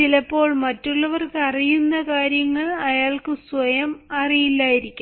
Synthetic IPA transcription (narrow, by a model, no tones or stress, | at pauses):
ilɐpːo̞ːɭmɐtːuɭːɐʋɐrkɨɐrijunːɐkaːɾjɐŋːɐɭɐjaːɭkɨsʋɐjɐmɐrijilːaːjiɾikʲːum